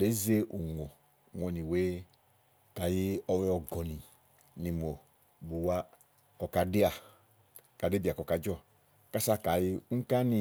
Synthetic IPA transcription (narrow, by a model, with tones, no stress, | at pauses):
le˨˦ze˦ʔu˨ŋo˨ | ŋɔ˨nĩ˨we˦ | ka˨ji˦ɔ˧wɔ˧ɡɔ˨nĩ˨ | ni˨mo˨ | bu˨wa˦ | kɔ˨ka˧de˦a˨ | ka˨de˦bi˨a˨kɔ˨ka˨d͡ʒɔ˦˨ | ka˦sa˦ka˨ji˦ŋ̩˦ka˦ni˧